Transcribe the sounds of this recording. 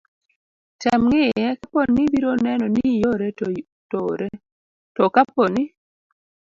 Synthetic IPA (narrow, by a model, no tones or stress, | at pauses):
tamŋɪjɛkaponːibiɾonɛnɔnijoɾe | toɾe | tɔkaponi